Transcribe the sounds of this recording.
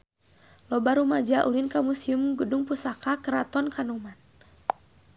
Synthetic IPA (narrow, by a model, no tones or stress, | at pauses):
lɔbaɾumad͡ʒaʔulinkamusiumɡəduŋpusakakəɾat̪ɔnkanuman